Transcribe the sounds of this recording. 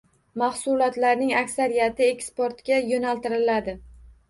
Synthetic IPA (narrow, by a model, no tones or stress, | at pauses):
mɑhsʊlˠɒt̪laɾnɪŋakʲsaɾijat̪ɪekʲspoɾt̪ɡʲajonalt̪ɪɾɪlad̪ɪ